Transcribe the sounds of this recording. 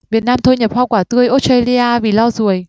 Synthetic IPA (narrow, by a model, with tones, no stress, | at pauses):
vi˨˩ət̚naː˧mt̪ʰo˧jɲə˨˩p̚hɔː˧kwaː˧˩t̪ɨ˧əjʔo˦˥t̚se˧li˧ʔaː˧vḭ˨˩lɔ˧zu˨˩˨əj